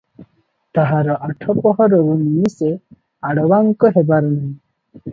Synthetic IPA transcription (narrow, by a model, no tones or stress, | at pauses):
t̪aɦaɾɔʔaʈʰɔpɔɦɔɾɔɾuminise | aɽɔwaŋkɔɦebaɾɔnai